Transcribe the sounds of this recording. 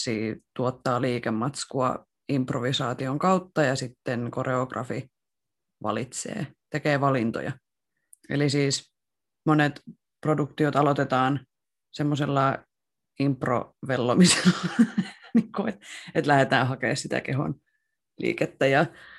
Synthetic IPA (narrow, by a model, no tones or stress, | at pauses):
siːt̪uot̪ːɑːliːkemːɑt̪skuɑ̰ | improʋisɑːt̪ioŋkɑut̪ːɑjɑsit̪ːenkoreokrɑ̰fi | ʋɑ̰lit̪sḛːt̪ekeːʋɑlint̪o̰jɑ̰ | ḛlisiːs | monet̪ | produkt̪iot̪ɑlot̪et̪ɑːn | semːoselːɑ | impro̰ʋelːomise̥lːɑniːŋkuet̪et̪læhet̪æːhɑkḛːssit̪æ̰keɦo̰n | lḭːket̪ːæjɑ